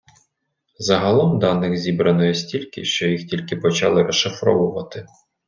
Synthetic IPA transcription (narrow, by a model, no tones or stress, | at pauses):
zɐɦɐlˠɔmd̪ɑnːɪxzʲibɾɐnɔjɛsʲtʲilʲkɪ̰ʃt͡ʃɔjixtʲilʲkɪpɔt͡ʃɑ̰lˠɪɾɔʃɪfɾɔ̰ʋʊʋɐt̪ɪ